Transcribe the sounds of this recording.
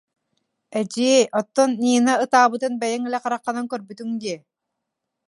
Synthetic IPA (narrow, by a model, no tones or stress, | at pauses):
ɛd͡ʑiːʔɔt̪ːɔniːnaɯt̪aːβɯt̪ɯnbɛjɛŋɛlɛqaɾaqːanaŋkœɾbyt̪yŋd̪iɛ